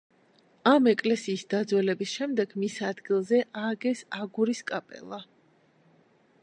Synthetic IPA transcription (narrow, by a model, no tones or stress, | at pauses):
amɛkʼlɛsiːsd̪̥ad̪zwɛlɛbisʃɛmd̪ɛɡmisad̪ɡilˠzɛʔaɡɛsaɡuɾiskʼapʼɛ̰lˠa